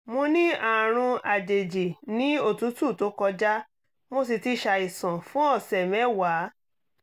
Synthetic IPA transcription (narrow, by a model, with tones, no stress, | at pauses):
mo˧nĩ˦a˨ɾ̃ũ˧a˨d͡ʒe˨d͡ʒe˨nĩ˦o˦˨tu˨˦tu˦˨to˨˦kɔ˧d͡ʒa˦ | mo˦s̬i˧ti˦ʃa˧i˨sã˨fũ˦ɔ˦˨sɛ˨mɛ˦wa˨˦